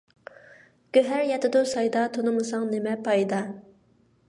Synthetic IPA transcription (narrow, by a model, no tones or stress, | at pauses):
ɡ̥ʲøɦæɾjɛt̪ʰɪd̪osɑjd̪ɑt̪ʰonɨmɨsɑŋnɪmɛpʰɑjd̪ɑ